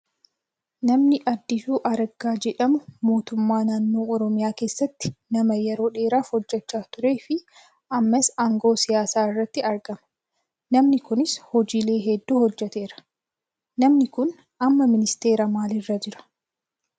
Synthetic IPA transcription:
nɐmnɪʔɐd̪ːɪsuːʔɐɾɡaːd͡ʒɛᶑɐmʊmo̞ːt̪ʊmːaːnaːnːoːɔɾɔmɪjaːke̞ːsːɐt̪ːɪ̥nɐmɐjɛɾoːᶑe̞ːɾaːfhɔd͡ʒːɛt͡ʃːaːt̪ʊɾe̞ːfɪ | ʔɐmːɐsɐŋɡo̞ːsɪjaːsaːɪrːɐt̪ːɪɐɾɡɐmɐ̥ | nɐmnɪkʊnɪshɔd͡ʒiːle̞ːɦɛd̪ːuːhɔd͡ʒːɛt̪e̞ːɾɐ̥ | nɐmnɪkʊn | ʔɐmːɐmɪnɪst̪e̞ːɾɐmaːlɪrːɐd͡ʒɪɾɐ̥

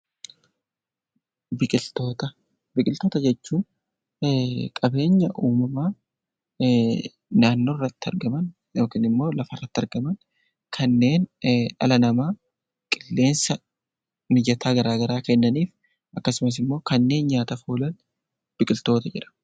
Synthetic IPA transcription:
bɪkʼɪlt̪oːt̪ɐ | bɪkʼɪlt̪o̞ːt̪ɐd͡ʒɛt͡ʃːuːn | kʼɐbe̞ːɲːɐʔuːmɐmaː | naːnːo̞ːrːɐt̪ːɪɐ̰ɾɡɐmɐn | joːkiːnɪmːo̞ːlɐfɐrːɐt̪ːɐɾɡɐmɐn | kʰɐnːe̞ːnɐ̰lɐnɐmaː | kʼɪlːe̞ːnsɐ | mɪd͡ʒɐt̪ʰaːɡɐɾaːɡɐɾaːkɛnːɐniːf | ʔɐkːɐsʊmɐs̬ɪmːo̞ːkɐnːe̞ːnɲaːt̪ɐfuːlɐn | b̥ɪkʼɪlt̪o̞ːt̪ɐd͡ʒɪɾɐ̥

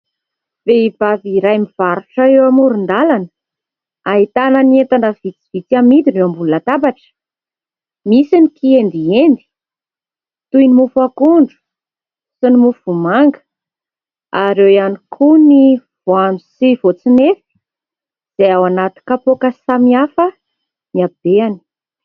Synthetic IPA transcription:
v̥eib̥aviɾajmiv̥aɾuʈ͡ʂaewamuɾund̪alanə | aɦit̪ananient̪anɖ͡ʐavit͡si̥v̥it͡samid̪inewambulunat̪abaʈ͡ʂə̥ | misinikiend̪iend̪i̥ | t̪ujnimufuakuɳɖ͡ʐu̥ | sinimufuvumaŋɡə̥ | aɾewjanikʰuniv̥oanusivot͡sinefi̥ | z̥eawanat̪i̥kapokəsamiafə | miab̥eani̥

